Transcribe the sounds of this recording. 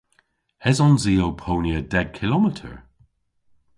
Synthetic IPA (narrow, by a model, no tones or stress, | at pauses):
ɛzɔnziːowpʰownjədɛɡ̚kʰɪlɔmɪtʰə̰ɹ